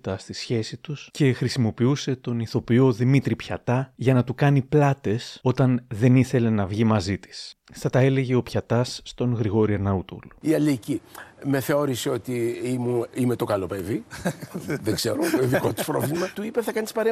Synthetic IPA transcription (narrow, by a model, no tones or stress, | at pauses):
t̪ɐst̪isçe̞sit̪usce̞xɾisimo̞piuse̞t̪o̞niθo̞pio̞ðimit̪ɾipçɐt̪ɐʝɐnɐt̪ukɐniplɐt̪e̞so̞t̪ɐnðe̞niθe̞le̞nɐvʝimɐzit̪i̥sθɐt̪ɐe̞le̞ʝe̞o̞pçɐt̪ɐsːt̪o̞nɣɾiɣo̞ɾieɾnɐut̪o̰luiɐlicime̞θe̞o̞ɾiseo̞t̪iimuime̞t̪o̞kɐlo̞pe̞vi | ðeɡze̞ɾoeðiko̞t̪u̥spɾo̞vlimɐt̪uipeθɐkɐni̥spɐɾe